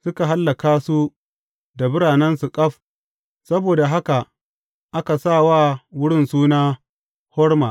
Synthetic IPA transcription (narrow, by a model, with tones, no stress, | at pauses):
sʊ˦ka˨ɦa˦lːa˨kaː˦su˦ | da˨bɪ˦ɽaː˨nɛ˦nsu˨kʼɐ˦ɸ | sɐ˦boː˨da˨ɦa˦ka˨ | ʔa˦ka˨saː˦˨waː˦wʊ˦ɽɪ˦nsuː˦naː˦ | hɔ˦rma˨